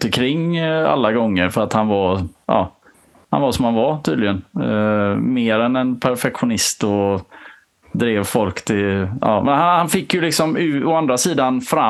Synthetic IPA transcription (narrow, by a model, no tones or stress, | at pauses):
t̪ɪkʰɾɪŋːa̰lːaɡɔŋːəɾfœɾat̪hanvaɾʔɑ̰ː | ha̰nvaʂɔmhanvaɾt̪ʰiːd̪lɪɡən | meːɾɛnɛnpʰæɾfɛkɧʊnɪst̪ɔ | d̪ɾeːvfɔlkt̪ʰɪlʔɑ̰ːmʔɛnhahanfɪkːjɵlɪksɔmʉ̟ːɔand̪ɾasiːd̪anfɾa